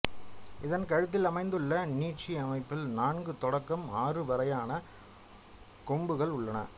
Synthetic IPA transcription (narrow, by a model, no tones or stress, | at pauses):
ɪðɐnkɐɻɯt̪̬ːɪlɐmɐɪnd̪ɯɭːɐniːʈt͡ʃːiɐmɐɪpːɪlnaːnɡɯt̪ɔɽɐkːɐmaːrɯʋɐɾɐjaːnɐ | kɔmbɯɣɐɭʊɭːɐnɐ̰